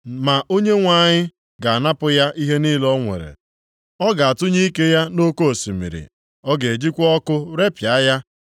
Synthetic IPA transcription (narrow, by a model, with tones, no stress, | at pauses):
ma˨ʔo˦ɲe˦ŋʷa˦˨ɲɪ˦ | ɡa˨a˨na˦pʊ˦ja˦ʔi˦ɦe˦ni˦lɔ˦ŋʷḛ˨ɾḛ˨ | ɔ˦ɡa˨a˨tʊ˦ɲi˦i˦ke˦ja˦no˦ko˦o˨si˨mḭ˨ɾḭ˨ | ɔ˦ɡe˨e˨d͡ʒi˦kʷɔ˦kʊ˦ɾe˦pja˨˦ja˦